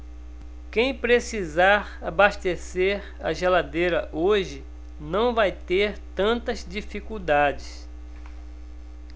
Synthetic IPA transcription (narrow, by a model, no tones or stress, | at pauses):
kẽj̃pɾesizaɾabaʃt̪eseɾ | ɐ̰ʒelad̪ejɾɐʔoʒɪ | nɐ̃w̃vajt̪eɾt̪ɐ̃nt̪ɐzd͡ʒifikuwd̪ad͡ʒɪs